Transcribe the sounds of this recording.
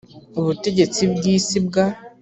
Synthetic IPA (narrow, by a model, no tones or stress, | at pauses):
uβute̞ɟe̞t͡sibɡiːsibɡa